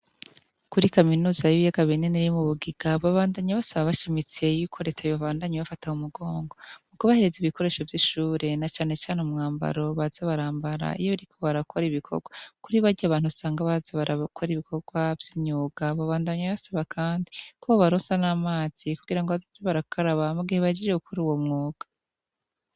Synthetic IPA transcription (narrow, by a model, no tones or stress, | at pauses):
kuɾikaminuːzajiβijaɡaβineniɾimuβuɡiɡ̥aβaβaːndaɲaβasaβaβaʃimit͡se̞juːkʰo̞ɾe̞tʰajiβaβaːndaɲeβafataumuɡo̞ːŋɡo̞mukuβahe̞ɾe̞ziβiko̞ɾe̞ːʃo̞vjiʃuːɾe̞nat͡ʃaːne̞t͡ʃaːnomŋaːmba̰ɾo̞βazaβaɾaːmbaɾa̰ḭjoβaɾikʰo̞βaɾakʰo̞ɾiβikʰo̞̰ɡwakuɾiβaɾɟaaβaːn̥husaːŋɡaβazaβaɾakʰoɾiβikʰo̞ɡwavjimɲuːɡ̥aβaβaːndaɲaβasaβakʰaːndikoaβaɾosanamaːz̥ikuɡiɾaŋɡoβazazaβaɾakʰaɾaβamuɡiheβad͡ʒiʒeɡukʰoɾuwo̞mŋoːɡ̥ḁ